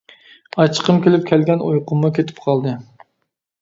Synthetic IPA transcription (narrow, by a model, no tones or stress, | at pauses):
ɑt͡ʃʰqəmkʲʰelɪp̚kʲʰɛlɡʲɛnojqʰʊmːukʲʰet̪ʰɪ̥pqʰɑlˠd̪ɨ